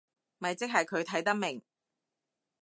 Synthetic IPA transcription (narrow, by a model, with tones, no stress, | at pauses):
mɐ˨jt͡sɪ˥k̚ɦɐ˨jkʰɵ˨˧ɥt̪ʰɐ˨˥jt̪ɐ˥k̚mɪ˨˩ŋ